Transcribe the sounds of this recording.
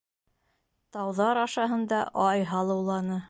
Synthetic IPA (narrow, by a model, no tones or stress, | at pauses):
t̪ɑwðɑɾɑʃɑɦɤ̆nd̪ɑʔɑjɦɑlˠɤ̆wlˠɑnɤ